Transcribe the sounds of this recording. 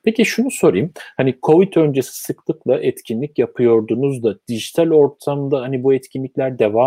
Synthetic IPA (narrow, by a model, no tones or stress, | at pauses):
pʰe̞ciʃunuso̞ɾḭjmhanikʰo̞vit̪ʰø̞nd͡ʒesi̥sɯklˠɯklˠaʔɛt̪cʰinlʲicjapʰɯjo̞ɾd̪unuzd̪ad̪̥iʒit̪ʰalʲo̞ɾt̪ʰamd̪aɦanibuɛt̪cʰinlʲiclʲæɾd̪e̞vaː